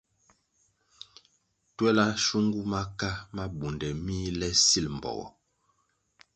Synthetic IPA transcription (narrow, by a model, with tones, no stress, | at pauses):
twɛ˦la˦ʃu˦ŋɡu˦ma˦ka˦ma˦bu˨ndɛ˨miː˦lɛ˦si˦˨lm̩˨bɔ̰˨ɣɔ̰˨